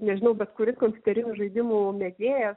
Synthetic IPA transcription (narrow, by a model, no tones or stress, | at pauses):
nʲɛʒʲɪnɐʊbʲɛt̪kʊɾʲɪskomʲpʲʊ̥t̪ʲɛɾʲɪnʲuʒɐɪd̪ʲɪmumʲɛd̪ʲeːjɛs